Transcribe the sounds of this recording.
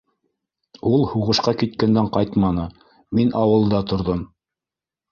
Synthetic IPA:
ulˠhuʁɤ̆ʃqɑkit̪̚kænd̪æɴqɑjt̪mɑnɤ | minʔɑwɤ̆lˠd̪ɑt̪ŏɾðom

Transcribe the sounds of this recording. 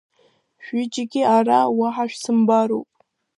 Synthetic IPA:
ʃᶣɪd͡ʒɪɡʲɪarawaħaʃᶣsɨmbaɾo̰wpʼ

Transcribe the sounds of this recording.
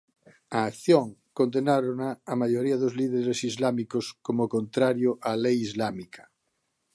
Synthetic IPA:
aːkθjoŋkond̪enaɾonaːmaʝoɾiaðozliðeɾesizlamikoskomokont̪ɾaɾjoʔalejizlamikʰḁ

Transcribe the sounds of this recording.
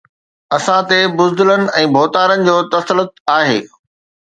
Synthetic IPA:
ɐsãt̪ebʊzd̪ələnɪ̆ɛ̃ːbʱoːt̪aːɾənɪ̆d͡ʑoːt̪ɐslət̪̚aːɦḛː

